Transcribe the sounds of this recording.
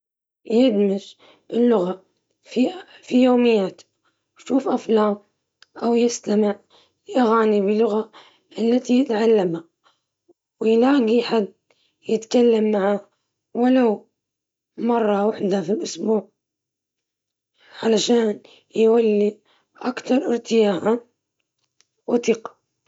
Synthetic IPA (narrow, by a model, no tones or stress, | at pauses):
jɪd̪mɪʃ | ʔɪlːʊɣa | fifijoːmɪjːaːt̪ | wʃuːfʔaflaːm | ʔawjɪst̪amɪʕ | lʔaɣaːnibɪlːʊɣa | ʔɪlːat̪ijɪt̪ʕalːamha | wɪjlaːɡiħad̪ | jɪt̪kalːamːaʕa | walaw | mɑrˤːɑwaħd̪afilʔʊsbuːʕ | ʕalaʃaːn | jwalːi | ʔakt̪ɑɾˤʔɪɾt̪ɪjaːʔa | wɪt̪ɪqḁ